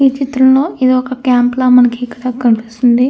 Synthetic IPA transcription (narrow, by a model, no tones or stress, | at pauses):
iːt͡ʃit̪ɾɐmloːid̪iɔkɐkaːmplɐmɐnɐkiːkɐɽaːkɐnpist̪und̪i